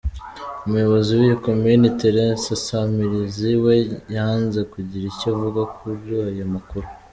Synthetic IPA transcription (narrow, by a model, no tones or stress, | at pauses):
umujo̞βo̞ziwijikominiteɾensasamiɾiziwejanze̞kuɟiɾicavuɡakʰuɾuajomakuɾu